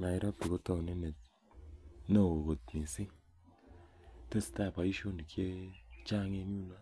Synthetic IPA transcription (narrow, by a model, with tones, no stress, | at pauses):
na˨i˦ɾa˦p̚ti˨ko˦tɔ˦˨kni˦ne˨ | no˦˨o˨ko˨tni˨si˦ | te˦˨sta˦˨pa˨i˦ʃo˦ni˨kje˦t͡ʃa˦ŋe˧ɲu˦na˦